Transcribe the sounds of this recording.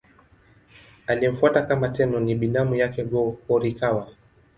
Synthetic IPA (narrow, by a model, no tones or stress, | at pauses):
aliɛm̩fuatakamatɛnɔniɓinamujakɛɡɔɔɾikawa